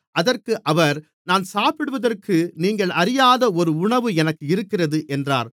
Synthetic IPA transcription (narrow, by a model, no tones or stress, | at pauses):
ʔɐðɐrkɯʔɐʋɐɾ | naːnsaːpɪɽɯʋɐðɐrkʰɯniːŋɡɐɭɐɾɪjaːðɐɔɾɯʊɳɐʋɯɛnɐkːɯɪɾɯkːɪrɐðɯʔɛndra̰ːɾ